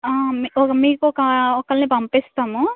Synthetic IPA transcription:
aːmɔkɐmiːkuɔkɐɔkːɐlnipɐmpist̪aːmu

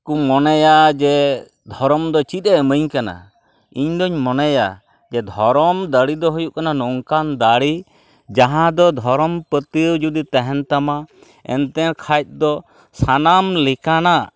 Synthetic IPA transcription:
kumɔnɛjad͡ʒɛ | d̪ʱɔɾɔmd̪ɔt͡ʃit̪̚ˀɛməɲkana̰ | iɲd̪ɔɲmɔnɛja | d͡ʒɛd̪ʱɔɾɔmd̪aɽid̪ɔɦujuʔkananɔŋkand̪aɽi | d͡ʒaɦãd̪ɔd̪ʱɔɾɔmpət̪iwd͡ʒud̪it̪ɛɦɛnt̪ama | ɛ̰nt̪ɛnkʰajt̪̚ˀd̪ɔ | sanamlikana

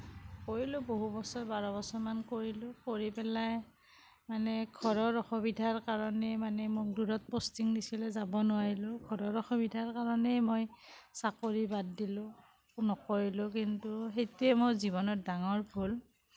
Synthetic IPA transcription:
koɹilʊboɦubɔsɔɹbaɹɔbɔsɔɹmankoɹilʊkoɹipɛlaj | manɛɡʰʱɔɹɔɹɔxɔbidʱaɹkaɹɔnɛmanɛmʊk̚duɹɔt̚postiŋnisilɛzabɔnʊwaɹilʊɡʱɔɹɔɹɔxɔbidʱaɹkaɹɔnɛjmojsakoɹibad̚dilʊ | kunɔkoɹilʊk̬intuɦejtujɛmojziβɔnɔt̚daŋɔɹbʰʱul

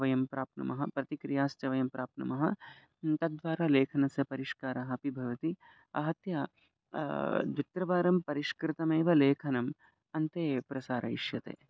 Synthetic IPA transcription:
ʋɐjɐmpɾaːp̚nɐ̰mɐɦɐpɾɐt̪ikɾijaːst̪ɐʋɐjɐmpɾaːp̚nɐ̰mɐɦɐ | t̪ɐd̪ʋaːɾaːleːkʰɐnɐsjɐpɐɾiʃkaːɾɐɦɐpibʱɐʋɐt̪i | ɐ̰ɦɐt̪ja | d̪ʋit̪ɾɐʋaːɾɐmpɐɾiʃkɾɪt̪ɐmeːʋɐleːkʰɐnɐm | ɐnt̪eːpɾɐsaːɾʔɐ̰ḭʃjɐt̪ḛː

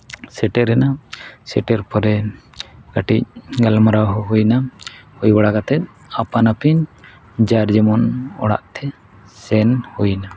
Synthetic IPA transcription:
sɛʈɛɾɛnasɛʈɛɾpɔɾɛ | ɡ̥aʈic̚ɡalmaɾawɦɔɦujnahujbaɽakat̪ɛt̪̚ˀ | apanapiɲ | d͡ʒaɾd͡ʒɛmɔnɔ̰ɽa̰ʔt̪ʰɛ | sɛnhujna

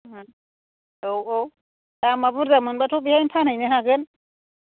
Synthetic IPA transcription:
ɦ | owo | tamabuɾzamɯnbatʰobihajnpʰanajnɛɦaɡɯn

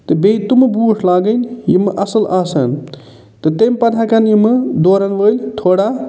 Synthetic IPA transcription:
t̪ɨbejt̪umɨbuːʂʰlaːɡənjimɨʔɐsɐlaːsɐ̰n | t̪ɨt̪empɐt̪ʰakanjimɨd̪oːɾɐnʋəːlʲt̪ʰoːɽa

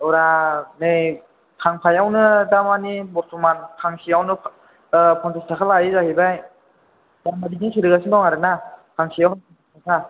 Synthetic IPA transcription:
ɔɾanɯj | kʰaŋpʰajawnɯdamanibɔɾtʰɔmankʰaŋsʰiawnɯ | pʰɔntistʰakʰalajizahibaj | damadiɡisʰiɾɯɡasinbawŋaɾɯnakʰaŋsijawɦapʰɔntʰistʰakʰa

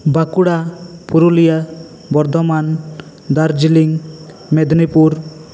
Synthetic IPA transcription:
bakuɽapuɾulija | bɔɾd̪ʱɔman | d̪aɾd͡ʒiliŋ | mɛd̪nipuɾ

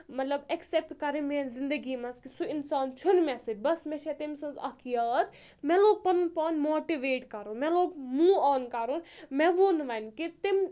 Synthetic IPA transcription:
mɐt̪lɐbeksep̚ʈkɐɾemẽzind̪əɡimɐskisuinsaːnt͡ʃʰunmɛsed͡ʒbɐsmeʃʰet̪emsɐ̃nzɐ̰kʰjɐːt̪mɛ̃loːɡ̚pɐnnpaːnmoːʈiʋeːʈkɐɾũmẽloːɡmuːʋaːnkɐɾunmeʋunʋɐnkit̪im

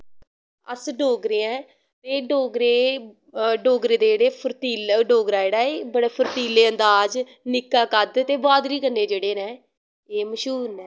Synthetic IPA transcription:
ə̰sɖoːɡɾeːɛ̃ː | t̪eːɖoːɡɾeː | ɖoːɡɾeːd̪eːd͡ʒeːɽeːpʰəɾt̪iːlɖoːɡɾaːd͡ʒeːɽaːeːbəɽeːpʰəɾt̪iːleːənd̪aːd͡ʒ | nɪkːaːkəd̪t̪eːbaːd̪ɾiːkəɾneːd͡ʒeːɽeːnɛ̃ː | eːməʃuːnɛː

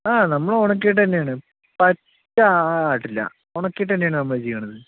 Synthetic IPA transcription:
aːnɐmːɐɭoɳɐk̬ːejʈːðɐnːejaːɳɨ | pɐtːɐaːʈːilːɐ̰ | oɳɐkːijiʈːðɐnːeaːɳɨnɐmːɐɭt͡ɕejːɐɳɐðɨ

